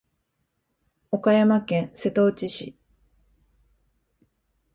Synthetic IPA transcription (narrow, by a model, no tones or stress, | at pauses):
o̞kajamakẽ̞ñse̞t̪o̞t͡ɕiɕḭ